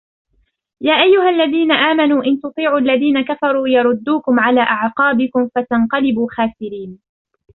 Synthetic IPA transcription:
jaːʔajːʊɦalːaðiːnaʔaːmanuːʔɪnt̪ʊt̪ˤiːʕuːʔalːaðiːnakafɑɾˤuːjɑɾˤʊd̪ːuːkʊmʕalaːʔaʕqɑːbɪkʊmfat̪ɑnqɑlɪbuːxaːsɪɾiːn

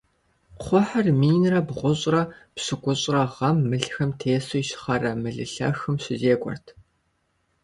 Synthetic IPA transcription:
qʷɔħɐrmiːnrɐbʁʷʊɕʼrɐpɕɨɡʷʼʊɕʼrɐʁɐmːɨɬxɐmtʰeːsojʃɪ̥χɐrɐmɨɮɨɬɐ̰xɨmɕɪzeːkʷʼɔ̰rtʰ

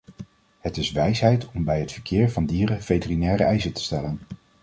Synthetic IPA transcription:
ɦətɪsʋɛjsɦɛjtɔmbɛjɦətfəɹkɪːɹvɑndiːrəv̥ejtərinɛːɾəɛjzətə̥stɛlən

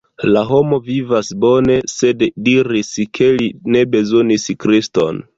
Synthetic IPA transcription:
laɦo̞mo̞vivasbo̞ne̞se̞ddiɾiskʰe̞line̞be̞zo̞niskɾisto̞̰n

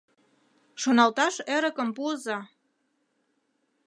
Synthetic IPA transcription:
ʃonɑlt̪ɑʃeɾə̆kə̆mpuəzɑ

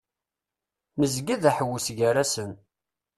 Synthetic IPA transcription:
məzɡiðæħəwːəsʝaɾæsən

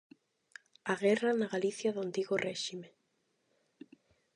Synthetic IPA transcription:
aɣɛranaɣaliθjaðʊant̪iɣorɛʃime

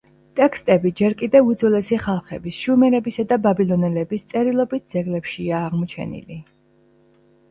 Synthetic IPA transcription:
t̪ʼɛkʰst̪ʼɛbid͡ʒɛɾkʼid̪ɛvud̪zɔlɛsiχalˠχɛbisʃumɛɾɛbisad̪ababilˠɔnɛlɛbist̪sʼɛɾilˠɔbit̪̚ʰd̪z̥ɛɡlɛpʃiaːʁmɔt͡ʃʰɛ̰nḭli

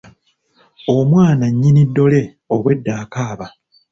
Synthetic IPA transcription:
omwaːnaɲːinidːo̞le̞ | oβwe̞dːaːkaːβa

